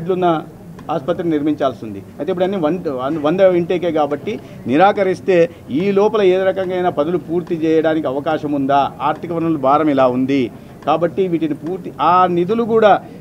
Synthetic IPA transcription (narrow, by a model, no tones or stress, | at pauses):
ɖlunːɐ | aːspɐt̪ːɾʲɐniɾmiɲt͡ʃaːlsind̪ḭɐjt̪eip̬ːuɽɐnːiːʋɐɐʋɐnd̪ɐiɳʈeːkeːkaːbɐʈːi | niɾaːkɐɾist̪e̞ː | iːlɔːpɐlɐe̞ːd̪uɾɐkɐŋɡaːjnaːpɐd̪ɐlupuːɾt̪it͡ʃɛːjɐɽaːnikiɐʋɐkaːʃɐmund̪aːaːɾt̪ikɐʋɐɾnɐlubʱaːɾɐmilaːund̪i | kaːbɐʈːiʋiːʈinipuːɾt̪iʔaːnid̪ulukuːɽaː